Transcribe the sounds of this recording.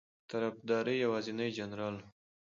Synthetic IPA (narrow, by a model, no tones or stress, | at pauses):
t̪aɾafd̪ɑɾəjawɑzɪnəjd͡ʒanɾɑl